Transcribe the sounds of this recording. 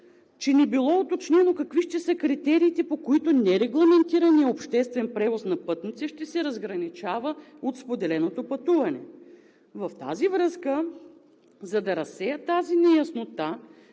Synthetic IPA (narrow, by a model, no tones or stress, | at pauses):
t͡ʃɛnɛbilˠɔot̪ot͡ʃnɛnokɐkviʃt̪ɛsəkɾit̪ɛɾiːt̪ɛpokoit̪onɛɾɛɡlˠɐmɛnt̪iɾɐnijɐopʃt̪ɛst̪vɛnpɾɛvosnɐpɤt̪nit̪sɛʃt̪ɛsɛɾɐzɡɾɐnit͡ʃavəot̪spod̪ɛlɛnot̪opɐt̪uvɐnɛ̰ | vɐft̪a̰zivɾɤskə | zɐd̪ɐɾɐsːɛjət̪azinɛjɐsnot̪a